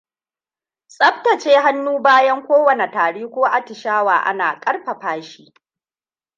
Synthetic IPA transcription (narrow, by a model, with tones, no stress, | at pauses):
sʼɐ˦ɸtɐ˨t͡ʃeː˦ɦa˦nːuː˦baː˦jɐ˦ŋkʷoː˦wɐ˨ne˨taː˨ɽiː˦kʷoː˦ʔa˨tɪ˨ʃaː˦wa̰ː˨ʔa̰˦na̰ː˨kʼɐ˦rɸɐ˨ɸaː˦ʃi̥ː˦